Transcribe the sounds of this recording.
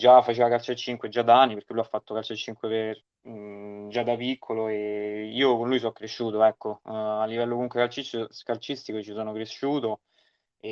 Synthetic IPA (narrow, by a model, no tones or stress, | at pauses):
d͡ʒafat͡ʃeːvakalt͡ʃat͡ʃːiŋkwed͡ʒad̪aanːipeɾrk̟elːujafːat̪ːokalt͡ʃat͡ʃːiŋkweper | d͡ʒad̪apikʰːoloeiːokonluːjs̬ɔkːɾeʃːuːt̪oɛkːoalːivɛlːokomuŋkwekalt͡ʃit͡ʃːoskalt͡ʃist̪ikoet͡ʃisoːnokɾeʃːuːt̪o | e